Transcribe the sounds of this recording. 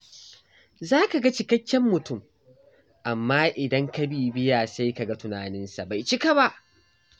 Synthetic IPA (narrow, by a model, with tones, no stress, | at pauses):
zaː˦ka˨ɡɐ˦t͡ʃɪ˨kɐ˦kʲːɛ˦mːʊ˨tʊ˦˨m | ʔa˨mːaː˦ʔɪ˨dɐ˦ŋkɐ˦biː˨bɪ˦jaː˨sa˦jka˨ɡa˦tʊ˦naː˨nɪ˦nsa˨ba˨jt͡ʃɪ˦ka˨ba˦ʔ